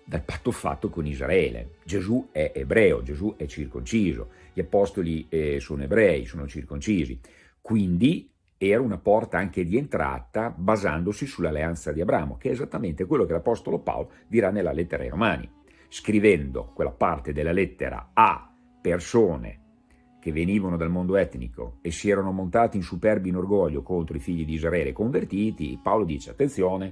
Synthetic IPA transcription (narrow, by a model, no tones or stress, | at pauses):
d̪alpat̪ːofa̰t̪ːokonizra̰ɛːlḛd͡ʒezuɛʔebɾɛːo̰d͡ʒezuʔɛt͡ʃːirkont͡ʃiːzo̰ | ʎiapɔst̪olisoːnoebɾɛːisoːnot͡ʃirkont͡ʃiːzḭ | kwind̪i | ɛːɾaunapɔrt̪aaŋk̟ed̪ient̪ɾa̰ːt̪abaza̰nd̪osisulːalːeant̪sad̪iabɾaːmo̰keɛːzat̪ːament̪ekwelːokelapɔst̪olopa̰olo | d̪iɾanelːalɛt̪ːeɾa̰jɾomaːnḭ | skɾivɛnd̪o̰kwelːa̰part̪ed̪elːalɛt̪ːḛɾa̰a | persoːnḛ | k̟evːeniːvanod̪almond̪oɛt̪nḭko̰esiɛːɾanomont̪aːt̪iinsupɛrbinorɡɔʎːokont̪ɾoifiʎːid̪iːzɾaɛːlḛkoɱvert̪iːt̪ḭpaolod̪iːt͡ʃeat̪ːensjoːne